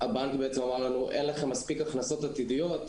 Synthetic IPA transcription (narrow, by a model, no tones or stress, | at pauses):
habaŋkbeet͡semamaʁlanuʔenleχemːaspikaχnaso̞t̪at̪idijo̞t̪